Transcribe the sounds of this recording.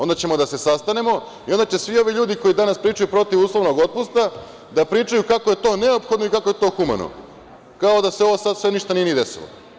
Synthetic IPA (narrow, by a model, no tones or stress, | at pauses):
o̞nd̪at͡ɕe̞mo̞d̪ase̞sast̪ane̞mo̞ | io̞nd̪at͡ɕe̞sʋio̞ʋiʎuːd̪iko̞id̪anaspɾiːt͡ʃajupɾo̞t̪iʋuːslˠo̞ʋno̞ɡot̪̚pust̪a | d̪apɾiːt͡ʃajukakoje̞t̪o̞ːne̞opxo̞d̪noikakojet̪o̞ːxuma̰no̰ | kaod̪aseo̞ʋosad̪sʋe̞niʃt̪anienied̪e̞sḭlo̰